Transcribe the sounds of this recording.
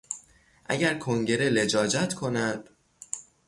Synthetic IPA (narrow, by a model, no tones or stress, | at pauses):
ʔæ̰ɟæɾkʰo̞ŋɟe̞ɾe̞le̞d͡ʒɒːd͡ʒæt̪kʰo̞næd̪̥